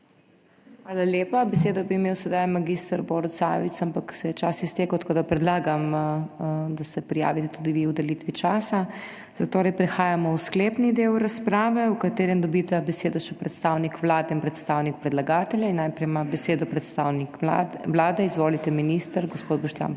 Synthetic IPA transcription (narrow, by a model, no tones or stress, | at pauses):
xʋaːlaljeːpabɛseːd̪ɔbiːmeːwsɛd̪ajmaɡist̪əɾboɾɔt̪sa̰ʋit̪sampaksɛjɛt͡ʃasist̪eːkɐwt̪koːd̪apɾɛd̪laːɡam | d̪asɛpɾija̰ːʋit̪ɛt̪ud̪iʋiwd̪ɛlit̪ʋit͡ʃaːsa | zat̪oːɾɛjpɾɛxaːjamɔwskleːpnid̪ewɾaspɾaːʋɛukat̪eːɾɛmd̪ɔbit̪ɛbɛseːd̪ɔʃɛpɾɛt̪st̪awnikʋlaːd̪ɛinpɾɛt̪st̪awnik̚pɾɛd̪laɡaːt̪ɛljainːajpɾɛjmabɛseːd̪ɔpɾɛt̪st̪aːwnikʋlaːd̪ɛizʋoːlit̪ɛminist̪əɾɡospoːd̪̚bɔʃt̪ja̰n